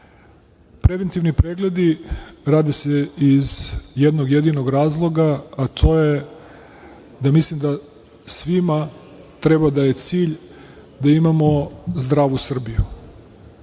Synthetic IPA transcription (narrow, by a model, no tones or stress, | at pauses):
pɾe̞ʋent̪iʋnipɾeɡle̞d̪iɾaːd̪eseizjed̪noɡje̞d̪inoɡɾaːzlˠo̞ɡaːt̪ʰo̞je | d̪amislimd̪a | sʋima | t̪ɾebad̪aje̞t̪siːʎ | d̪aimamozd̪ɾaːʋusr̩bijṵ